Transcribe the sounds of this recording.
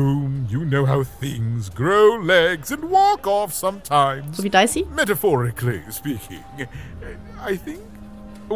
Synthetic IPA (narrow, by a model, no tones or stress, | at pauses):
ũmjɨnoʊɦa̰ʊθɪ̃ŋzɡɹoʊlɛɡzɨ̃nwɔkɔfsʌ̃mtʰãɪ̃mzvidaɪsimɛɾɨfɔɹɨkʰlḭspikʰɪ̰̃ŋ | aɪθɪ̃ŋk